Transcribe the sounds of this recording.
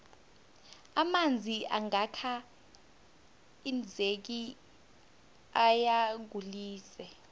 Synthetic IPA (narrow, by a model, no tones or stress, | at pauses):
amand͡zʱiʔa̰ŋakʰa | ind͡zʱek̬i | ajaɡ̬uliːsɛ